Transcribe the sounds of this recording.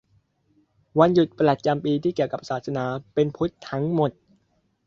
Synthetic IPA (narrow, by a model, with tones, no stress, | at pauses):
wa˧nju˨˩t̪̚pɾa˨˩t̪̚t͡ɕa˧mpiː˧t̪ʰiː˥˩ki˨˩əwka˨˩p̚saː˨˩t̪̚sa˧naː˩˦pe˧npʰu˦˥t̪ʰːa˦˥ŋmo˨˩t̪̚